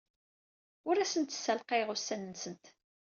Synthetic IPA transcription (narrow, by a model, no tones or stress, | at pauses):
ʊɾæsənt̪sælqeʁʊsːænnsənt̪